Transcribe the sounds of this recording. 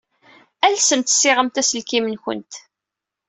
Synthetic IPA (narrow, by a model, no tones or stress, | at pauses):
ælsəmt̪sːɪʁəmt̪æsəlkimənçə̰nt̪